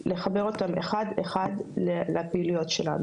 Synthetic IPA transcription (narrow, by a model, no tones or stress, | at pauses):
le̞χabe̞ʁo̞tameχadeχadleleapiːlijotʃe̞la̰nu